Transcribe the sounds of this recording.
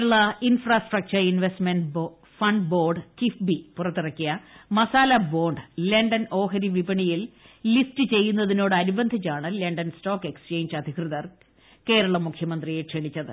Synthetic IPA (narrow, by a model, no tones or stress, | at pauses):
ɐɭɐinfraːsʈrɐk̚t͡ɕɐrinʋe̞stmenɖ | fɐɳɖbo̞ːrɖt͡ɕifbipurɐt̪ːirɐkːijɐmɐsaːlɐbo̞ːɳɖɨle̞ɳɖɐno̞ːɦɐɾiʋibɐɳijil | listɨt͡ɕe̞jːunːɐðino̞ːɽɨɐɾubɐnd̪ʱit͡ɕːaːɳɨleɳɖɐnstoːkːe̞kst͡ɕe̞ːɲd͡ʑɐd̪ʱikrɨðɐr | ke̞ːɾɐɭɐmukʰjɐmɐnd̪rijeʈʂeɳit͡ɕːɐðɨ̰